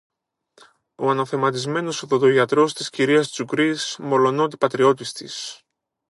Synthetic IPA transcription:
o̞ɐnɐθe̞mɐt̪izme̞nosoðod̪oʝɐt̪ɾo̞st̪isciɾiɐst̪i̥sukɾismo̞lo̞not̪̬ipɐt̪ɾio̞t̪ist̪ḭs

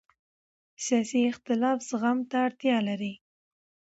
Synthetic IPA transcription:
sjɑsiɪxt̪ɪlɑfsɣamt̪aːɽt̪jɑlaɾi

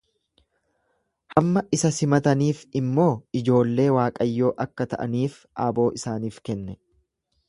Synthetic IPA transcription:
hɐmːɐʔɪsɐsɪmɐt̪ɐniːfɪmːo̞ːɪd͡ʒo̞ːlːe̞ːwaːkʼɐjːo̞ːʔɐkːɐt̪ɐ̰ʔɐ̰niːf | ʔaːbo̞ːʔɪsaːniːfkɛnːɛ

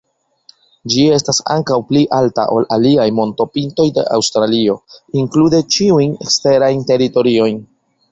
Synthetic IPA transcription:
d͡ʒie̞stasa̰ŋkawpliʔalta̰ʔo̞̰laliajmo̞nto̞pinto̞jde̞̰ʔawstɾalio̞iŋklude̞t͡ʃiujne̞̰kste̞ɾajnte̞ɾito̞ɾio̞jn

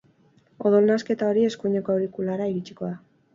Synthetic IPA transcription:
o̞ðo̞lnaske̞t̪ao̞ɾie̞skuɲekoauɾikulaɾaiɣit͡ʃi̥ko̞ða

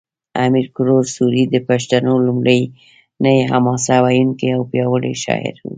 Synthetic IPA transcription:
amiɾkʊɾoɾsuɾid̪əpaʃt̪anolumɽəj | nəjeɦamɑsawajunkeawpjɑwəɽḛʃɑ̰ɪ̰ɾṵ

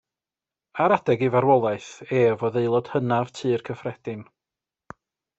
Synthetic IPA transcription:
aɾadɛɡivaɾwɔlˠaɨθeːvɔðejlˠɔd̥hənav̥tʰɨːrkʰəfrɛd̥ɪn

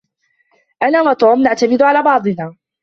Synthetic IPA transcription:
ʔanaːwat̪oːmnaʕt̪amɪd̪ʊalaːbɑʕd̪ˤɨnaː

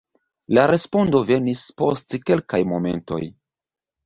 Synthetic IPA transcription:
laɾe̞spo̞ndo̞ve̞nispo̞stke̞lkajmo̞me̞̰nto̞̰j

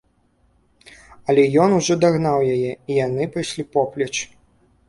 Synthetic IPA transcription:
ɐlʲɛjɔnuʐɔd̪aɣnawjajɛijanɨpajsʲlʲipɔplʲɐt͡ʂ

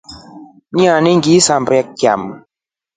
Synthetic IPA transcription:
ɲãniŋɡisambɾɛkkja̰m

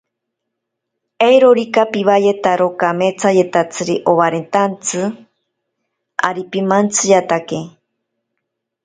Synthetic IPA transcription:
ejɾoɾikapiβajet̪aɾokamet͡sajet̪at͡sɨɾiʔoβaɾent̪ant͡sɨ | a̰ɾipimant͡sɨjat̪ake

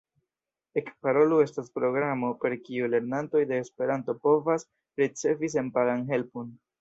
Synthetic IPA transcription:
e̞kpaɾo̞lue̞staspɾo̞ɡɾamo̞pe̞ɾkiule̞ɾnanto̞jde̞ːspe̞ɾanto̞po̞vas | ɾit͡se̞vis̬e̞npaɡanɦe̞lpun

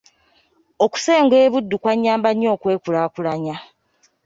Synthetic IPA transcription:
o̞ku̥seːŋɡwe̞ːβudːukwaɲːaːmbaɲo̞ːkwe̞ːkulaːkulaɲa

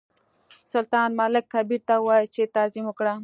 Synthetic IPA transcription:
sʊlt̪ɑːnmɑlɪkxabiɾt̪awaːjt͡ʃet̪aːzimokɽa

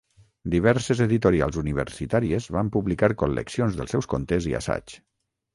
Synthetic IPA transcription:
d̪iβɛɾsezeðit̪oɾia̰lˠzuniβ̞ə̰ɾsit̪aɾiezβampuβlikaɾkolːḛksionzðə̰lˠsɛwskont̪ezia̰sa̰t͡ʃ

